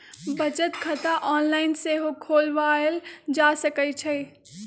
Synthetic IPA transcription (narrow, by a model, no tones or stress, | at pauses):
bət͡ʃət̪kʰət̪aʔɔnlaɪnseɦokʰoːlʋaeld͡ʒasəkət͡ʃʰə